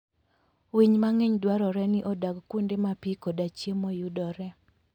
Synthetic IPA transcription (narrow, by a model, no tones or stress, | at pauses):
wiɲmaŋeɲdwaɾɔɾɛnɪʔɔdaɡkundemapikodat͡ʃjemojudɔɾɛ